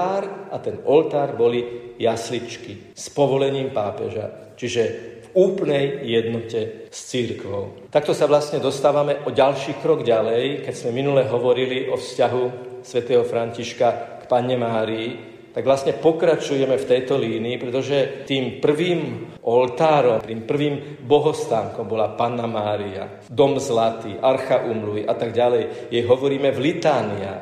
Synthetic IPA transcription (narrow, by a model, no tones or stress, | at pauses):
ɾat̪ɛnɔlt̪aːɾbɔlijaslit͡ʃki | spɔʋɔlɛɲiːmpaːpɛ̰ʒa̰ | t͡ʃiʒɛvuːplnɛjjɛd̪nɔcɛst͡siɾkʋɔʊt̪akt̪ɔsaʋlast̪ɲɛd̪ɔst̪aːʋamɛʔɔɟalʃiːkɾɔɡɟalɛjkɛɟz̥mɛminulɛɦɔʋɔɾiliʔɔfscaɦusʋɛt̪ɛːɦɔfɾaɲciʃkakpaɲɛmaːɾii | t̪aɡʋlastɲɛpɔkɾat͡ʃujɛmɛft̪ɛjt̪ɔliːniːpɾɛt̪ɔʒɛt̪iːmpr̩ʋiːmʔɔlt̪aːɾɔmpɾiːmpr̩ʋiːm | bɔɦɔst̪aːŋkɔmbɔlapanːamaːɾia̰ | d̪ɔmzlat̪iːʔaɾxaʔuːmluʋiʔat̪aɡɟalɛjjɛjɦɔʋɔɾiːmɛvlit̪aːnia̰